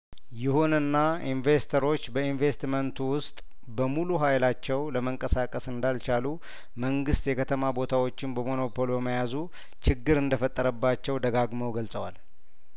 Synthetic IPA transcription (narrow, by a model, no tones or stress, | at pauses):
jɪhunɨnːainve̞st̪ʰəɾo̞t͡ʃːbəinve̞st̪mənt̪ʰuwʊst̪ʼ | bəmuluɦajlat͡ʃːɛwləməŋkʼəsakʼəsɨnd̪alt͡ʃalu | məŋɡɨst̪jɛkʰət̪ʰəmabo̞t̪ʰawo̞t͡ʃːɪnbəmo̞no̞pʰo̞lbəməjazu | t͡ʃɪɡːɨɾɨnd̪əfət̪ʼːəɾəbːat͡ʃːɛwd̪əɡaɡməwɡəlsʼəwal